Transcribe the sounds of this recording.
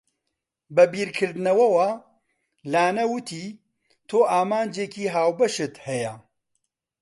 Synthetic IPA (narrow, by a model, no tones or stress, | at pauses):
bɐbiːɾkʰɨɾd̪ɨnɐwɐwa | laːnɐwɨt̪ʰiː | t̪ʰoːʔaːmaːnd͡ʒeːkiːɦaːwbɐʃɨt̪hɛjɛ